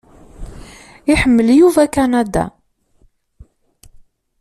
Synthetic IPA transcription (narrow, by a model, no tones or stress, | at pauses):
ɪħəmːəljuvækænæd̪a̰